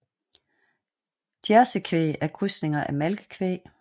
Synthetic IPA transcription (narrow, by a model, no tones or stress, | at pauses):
d̥jæɐsəkʰʋe̝̰ːæɐɡ̥ʰʁysne̝ŋɐʔæmælɡ̥ə̥kʰʋe̝̰ː